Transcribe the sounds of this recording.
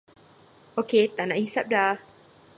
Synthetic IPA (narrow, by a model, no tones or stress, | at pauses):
ʔoket̪ana̰hisap̚da